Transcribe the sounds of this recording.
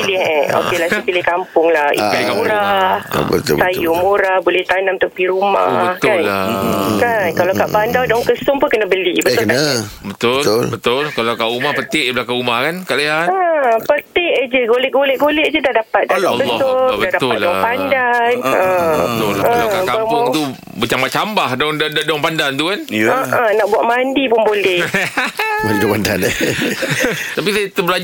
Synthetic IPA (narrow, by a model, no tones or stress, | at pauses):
pilɪho̰kelasipilɪhkampʊŋlahʔḭtkamuɾahbə̰t̪sajumuɾahbolɛht̪anamt̪əpiɾuma̰əhk̪an | kankalakaʔpandawdɔŋkəsʊŋpʊnkənabəlibət̪kənabət̪ʊt̪ʊlbət̪ʊlkalakaʔumahpət̪ɪʔbəlakaumahkankaʔlajaəpət̪ɪʔəd͡ʒəɡolɛʔ̚ɡolɛʔ̚ɡolɛʔd͡ʒədahdapat̪̚dabəlːɔʊbədadat̪ʊaldɔŋpandanət̪ʊlləkalakakapot̪u | bat͡ʃaŋmbat͡ʃambahdɔŋdddɔŋpandant̪ukanəʔənaʔbuaʔ̪mandipʊnbolɛ | bolkapandan | t̪ap̬isajt̪əbəla